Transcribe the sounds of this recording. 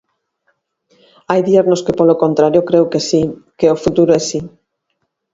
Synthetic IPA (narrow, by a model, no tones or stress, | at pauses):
ajðieɾnoskepolokont̪ɾaɾjokɾewkesikeofut̪uɾoɛsi